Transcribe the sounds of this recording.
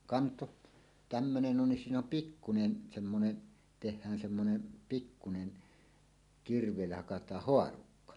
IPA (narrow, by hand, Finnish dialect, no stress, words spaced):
kɑnto tæmːønen on siːn om pikːunen semːone tehˑæːn semːonen pikːunen kirʋˑeˑilːæ hɑkɑtˑɑːh hoɑrukːɑ